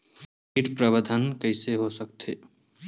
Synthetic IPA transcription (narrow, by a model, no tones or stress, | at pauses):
iʈpɾəbəd̪ʱənkəɪseɦosəkt̪ʰe